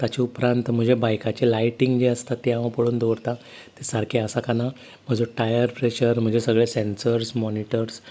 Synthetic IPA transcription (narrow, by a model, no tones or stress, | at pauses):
t̪at͡ɕeupɾãnt̪m̤əɳd͡ʑebajkat͡ɕelajʈiŋɡd͡ʑeəst̪at̪ːeaʋapəɽuːnd̪oɾt̪a | t̪esaɾkʰeasakana | m̤əd͡zoʈajəɾpɾeɕəɾm̤əɳd͡ʑesəɡɭesẽnsəɾsmɔniʈəɾs